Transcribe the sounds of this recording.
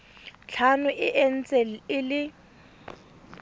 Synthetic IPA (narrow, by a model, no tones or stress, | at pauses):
t͡ɬʰanʊʔɪʔen̩t͡sʼɛl̩ɪlɪ